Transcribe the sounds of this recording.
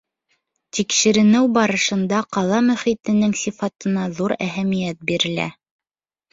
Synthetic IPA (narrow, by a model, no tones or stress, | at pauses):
t̪ikʃɘ̆ɾɘ̆nɘwbɑɾɤ̆ʃɤ̆nd̪ɑqɑlˠɑmɵ̆χit̪ɘ̆nɘŋsifɑt̪ɤ̆nɑðuɾæɦæmijæt̪̚biɾɘ̆læ̰